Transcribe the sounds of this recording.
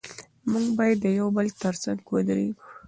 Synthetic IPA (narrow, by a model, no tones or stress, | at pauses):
muŋɡbɑjad̪ːəjawbəlt̪əɾsaŋɡkod̪ɾeɡu̥